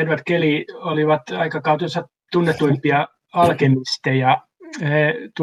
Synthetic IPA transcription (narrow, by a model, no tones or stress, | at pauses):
enʋæt̪kelioliʋɑt̪ɑikɑkɑut̪iosɑ | t̪unːet̪uimpiɑ | ɑlkemist̪ejɑ | het̪